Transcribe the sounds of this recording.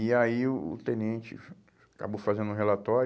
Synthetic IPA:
iaiʊʊ̰t̪ẽnẽt͡ʃɪ̰ | aka̰bowfazẽnd̪ʊ̃ɦelat̪ɔɾ

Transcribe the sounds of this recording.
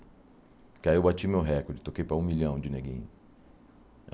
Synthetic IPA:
kaiewbat͡ʃimewɦɛkoɾd͡ʒɪt̪okejpɾɐũmiʎɐ̃w̃d͡ʒɪneɡḭ̃ɲ

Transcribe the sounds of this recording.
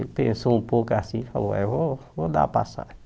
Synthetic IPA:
pẽsoũpokʊasĩfaloɛ̰vovod̪a̰pasa̰ʒ

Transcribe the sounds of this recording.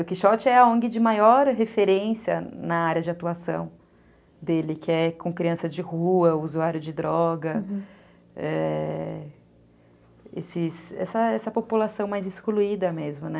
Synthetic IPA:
ʊkɪʃɔt͡ʃɪɛɐõɡɪd͡ʒɪmajɔɾɦefeɾẽsiɐ̰nɐaɾjɐd͡ʒɪat̪uasɐ̰̃w̃ | d̪elɪkɪɛkõkɾiɐ̃sɐd͡ʒɪhuɐʊuzuaɾjʊd͡ʒɪd̪ɾɔɡɐ | ɛ | ḛsɪsɛ̰sɐɛsɐpopulasɐ̃w̃majzɪskoluid̪ɐmezmʊnɛ

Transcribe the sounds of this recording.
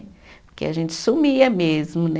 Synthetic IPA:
pʊɾkḛaʒẽnt͡ʃɪ̥sumiɐmezmʊnɛ

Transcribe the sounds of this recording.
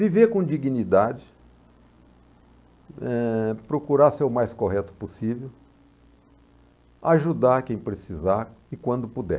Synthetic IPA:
viveɾkõd͡ʒiɡinid̪ad͡ʒɪ | ɛpɾokuɾaseɾʊmajskoɦɛt̪ʊ̥posivew | aʒud̪aɾkẽj̃pɾesizaɪkwɐ̃nd̪ʊpud̪ɛ̰

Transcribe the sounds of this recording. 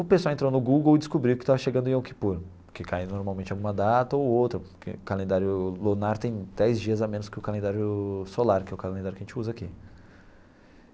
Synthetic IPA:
ʊpesʊwawẽt̪ɾownʊɡuɡowd͡ʒɪskubɾiwʊkɪ̥t̪avɐʃeɡɐ̃nd̪ẽowki̥puɾ | kɪkʰajnoɾmawmẽnt͡ʃɪawɡũmɐd̪at̪ɐowowt̪ɾɐkɪ̰kalẽnd̪aɾjʊlonaɾt̪ẽj̃d̪ɛjzd͡ʒiɐzamẽnʊskɪʊkalẽnd̪aɾjʊsolaɾkɪɛʊkalẽnd̪aɾʊkɐʒẽt͡ʃɪuzɐaki

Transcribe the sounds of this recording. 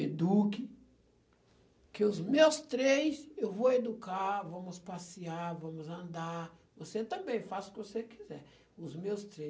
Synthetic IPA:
ed̪ukɪ | kɪʊzmewst̪ɾejsewvowed̪ukaɾvɐ̃mʊspasiaɾvɐ̃mʊzɐ̃nd̪avoset̪ɐ̃mbẽj̃fazʊkɪvosekizɛɾ | ʊzmewst̪ɾe

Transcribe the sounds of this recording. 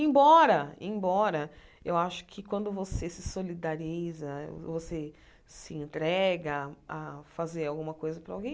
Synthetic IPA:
ẽbɔɾɐẽj̃bɔɾɐewaʃʊ̥kʰɪkwɐ̃nd̪ʊvosesɪsolid̪aɾizɐvose | sɪẽnt̪ɾɛɡɐafazeɾawɡũmɐkojzɐpɾɐawɡẽj̃

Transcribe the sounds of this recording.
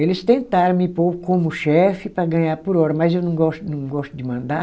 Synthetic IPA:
elɪst̪ẽnt̪aɾɐ̃mɪpokõmʊʃɛfɪpɾɐɡɐ̃ɲaɾpʊɾɔɾɐmɐzewnɐ̃w̃ɡɔst̪ʊnɐ̃w̃ɡɔst̪ʊd͡ʒ̪ɪmɐ̃nd̪a

